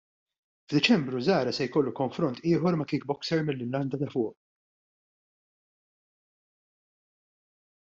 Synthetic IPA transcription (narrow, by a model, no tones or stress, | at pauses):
vd̪ɪt͡ʃɛmbɾuzɐːɾɐsɛjkɔlːukɔɱfɾɔnt̪ɪːħɔɾmɐkiːk̚bɔksɛɾmɪlːɪlːɐnd̪ɐt̪ɐfʊːʔ